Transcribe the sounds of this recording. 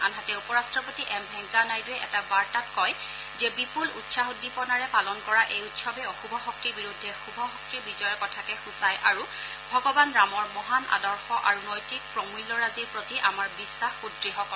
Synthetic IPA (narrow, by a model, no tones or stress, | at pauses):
a̰nɦatɛupɔɹastɹɔpotiʔɛmbʱɛŋkanajduɛʔɛ̰tabaɹtatkɔj | zɛbipulṵtsaɦudːipɔnaɹɛpalɔnkɔɹaʔejutsɔbɛɔxubʱɔxɔk̚tibiɹudʱːɛxubʱɔxɔk̚tibizɔjɔɹkɔtʰakɛxusajʔaɹu | bʱɔɡɔbanɹamɔɹmɔɦanʔa̰dɔɹxɔʔaɹunɔjtik̚pɹɔmujlːɔɹaziɹpɹotiʔamaɹbisːaxxudɹixɔkɔl